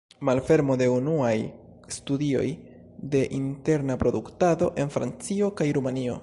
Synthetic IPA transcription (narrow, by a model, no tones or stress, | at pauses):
malfe̞ɾmo̞de̞unuaj | studio̞̰j | de̞ʔinte̞ɾnapɾo̞duktado̞ʔe̞nfɾa̰nt͡sio̞kajɾumanio̞̰